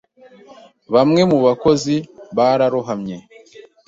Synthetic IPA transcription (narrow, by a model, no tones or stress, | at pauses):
βamŋe̞muβako̞ziβaːɾaɾuɦamɲe̞